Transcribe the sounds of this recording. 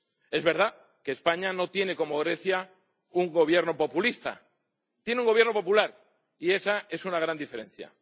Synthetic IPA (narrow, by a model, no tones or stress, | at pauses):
e̞zβe̞ɾð̞a | keːspaɲano̞t̪je̞ne̞ko̞mo̞ɣ̞ɾe̞θja | uŋɡo̞βje̞ɾno̞po̞pulist̪a̰ | t̪je̞neũŋɡoβje̞ɾno̞populaɾ | ie̞sae̞sunaɣ̞ɾand̪ife̞ɾe̞n̟θja̰